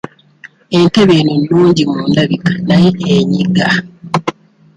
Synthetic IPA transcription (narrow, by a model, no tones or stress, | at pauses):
e̞nteβeːnunːuːɲɟimuːndaβikḁnajeɲiɡa